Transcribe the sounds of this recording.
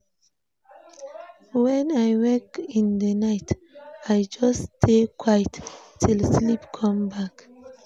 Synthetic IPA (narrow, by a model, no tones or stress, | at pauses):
wɛ̃najwɛkĩnd̪ənaɪt | ajd͡ʒɔstʰekʰwajttʰilslipkʰɔ̃mbak